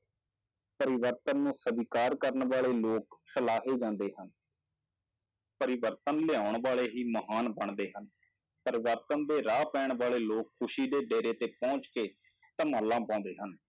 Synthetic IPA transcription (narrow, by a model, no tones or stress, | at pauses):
pəɾɪʋəɾt̪ənːũːsəbiːkaːɾkəɾəɳʋaːleːloːk̚səlaːɦeːd͡ʒãːnd̪eːɦən | pəɾɪʋəɾt̪ənlɪaːʊɳʋaːɭeːɦiːməɦaːnbəɳd̪eːɦən | pəɾɪʋəɾt̪ənd̪eːɾaːpɛ̃ːɳʋaːleːloːkʰːʊʃiːd̪eːɖeːɾeːt̪eːpɔ̃ːt͡ʃkeː | t̪əmaːlːãːpãːnd̪eːɦən